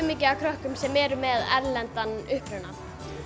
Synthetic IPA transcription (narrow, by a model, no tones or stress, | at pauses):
miːcɪakʰɾœhkʏmsɛmːɛːɾʏmɛðɛ̰ɾlɛnt̪anʏhpɾʏna